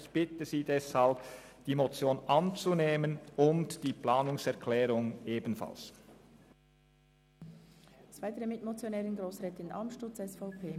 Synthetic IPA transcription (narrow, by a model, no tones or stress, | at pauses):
ɪçb̥ɪtəziːdɛshalp | d̥iːmot͡sjoːnʔɑnt͡suneːmənʊntd̥iːpʰlaːnʊŋsɛɐʁkʰlɛːʁʊŋeːbn̩fa̰ls | svaɪtəɾəmɪtmot͡sjonɛːʁənɡɾoːsʁɛːtɪna̰lmʃtʊt͡sɛsfaʊpʰeː